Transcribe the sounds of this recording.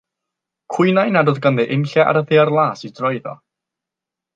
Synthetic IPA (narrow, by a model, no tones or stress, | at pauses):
kʰwʊjnajnadɔðɡanðɛʔɪmɬɛʔa̰ɾəðearlˠaːsidrɔɨðɔ̰